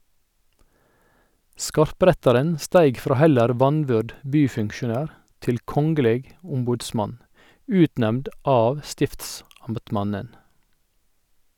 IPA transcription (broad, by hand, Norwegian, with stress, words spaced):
ˈskɑɾˌpɾɛtɑɾən ˈstæɪɡ ˈfɾoː ˈhɛləɾ ˈʋɑnˌʋʏɖ ˈbyːfʉŋkʃʊˌnæːɾ ˈtɪl ˈkɔŋɡəˌleːɡ ˈʊmbuːdˌsmɑn ˈʉːtˌnɛmd ˈɑːʋ ˈstɪftsɑmbtˌmɑnən